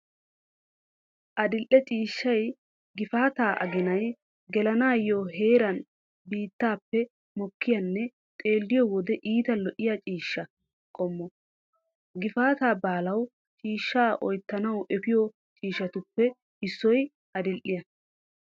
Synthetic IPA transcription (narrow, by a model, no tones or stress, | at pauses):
ʔɐd̪ɪlʔːɛt͡ʃʼiːʃːɐj | ɡɪfaːt̪aːʔɐ̰ɡɪnɐj | ɡɛlɐnaːjoːɦeːɾɐn | biːt̪ːaːpːɛ | mɔkːɪjɐnːɛ | t̪ʼe̞ːlːɪjɔwɔd̪ɛʔiːt̪ɐlɔʔɪjat͡ʃʼiːʃːɐ | kʼɔmːɔ | ɡɪfaːt̪aːbaːlɐw | t͡ʃʼiːʃːaːʔɔjt̪ːɐnɐwʔɛpɪjɔ | t͡ʃʼiːʃːɐt̪ʊpːɛ | ɪsːɔj | ɐd̪ɪlʔɪjɐ